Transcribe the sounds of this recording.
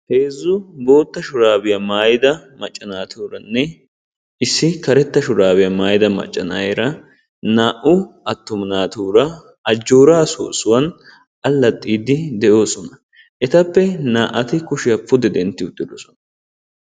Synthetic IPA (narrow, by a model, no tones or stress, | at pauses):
he̞ːzːʊbo̞ːt̪ːɐʃʊɾaːbɪjɐmaːjɪd̪ɐmɐt͡ʃʼːɐnaːt̪ʰuːɾɐnːɛ | ɪsːɪkɐɾɛt̪ːɐʃʊɾaːbɪjɐmaːjɪd̪ɐmɐ̰t͡ʃʼːɐnɐjeɾɐ | naːʔʊɐt̪ːʊmɐnaːt̪uːɾɐ | ɐd͡ʒːoːɾaːso̰ːsʊwɐn | ʔɐlːɐt̪ʼːiːd̪ɪd̪ɛʔo̞ːsɔnɐ | ʔɛt̪ɐpːɛnaːʔɐt̪ɪkʊʃɪjɐpːʊd̪ɛd̪ɛnt̪ːɪʊt̪ʼːɪd̪oːsɔnɐ